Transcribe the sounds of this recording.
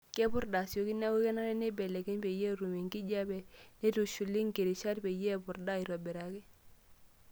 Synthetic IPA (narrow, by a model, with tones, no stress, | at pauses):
kɛ˦pʊ˦ɾda˨sjo˦ki˦na˦wu˦kɛ˦na˦ɾɛ˦nɪ˦bɛ˨lɛ˨kɛ˦ɲpe˨je˦ɾu˨me˨ŋki˦d͡ʒa˦bɛ˨ne˦tu˨ʃu˨li˦ŋke˨ɾi˨ʃa˦ɾpe˨je˦˨bʊ˨ɾda˦˨i˨ɾɔ˨bɛ˨ɾa˨ki˦